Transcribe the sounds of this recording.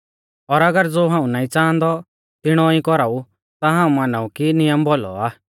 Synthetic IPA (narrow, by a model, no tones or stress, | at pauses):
ɔːɾɐɡəɾd͡zoːɦãːũnaːĩt͡sãːnd̪ɔ | t̪ɪɽ̃ɔĩkɔɾaːu | t̪aɦãːũmanaːũkinɪjəmbɔlɔ̰aː